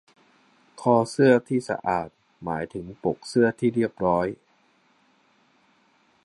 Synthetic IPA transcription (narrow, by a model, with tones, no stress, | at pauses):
kʰɔː˧sɯ˥˩ɐt̪ʰiː˥˩sa̰˧ʔaː˨˩t̪̚ | maː˩˦jt̪ʰɯ˩˦ŋpo˨˩k̚sɯ˥˩ɐt̪ʰiː˥˩ɾi˥˩əp̚ɾɔː˦˥j